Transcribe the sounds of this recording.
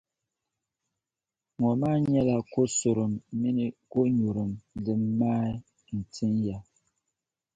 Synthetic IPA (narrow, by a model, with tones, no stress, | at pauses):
ŋɔ˨ma˦ɲɛ˦la˨ko˦so˨ɾɨ˨mːi˦ni˦ɡo˦ɲu˨ɾu˨mlɨ˨mːaː˦ | n̩˨tʰi˦nja˨